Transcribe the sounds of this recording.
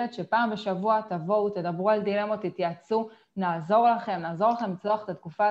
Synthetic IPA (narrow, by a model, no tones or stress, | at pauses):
etʃepaːmbe̞ʃavuat̪avo̞wt̪e̞d̪abʁuald̪ile̞mot̪it̪jat͡su | naːzo̞ʁlaχe̞mnaːzo̞laχe̞mlit͡sloaχet̪at̪kufa